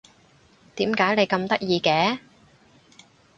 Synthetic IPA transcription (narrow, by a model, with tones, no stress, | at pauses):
t̪iː˨˥mkaː˨˥jne˨˧jkɐ˧mt̪ɐ˥k̚jiː˧kɛː˨˥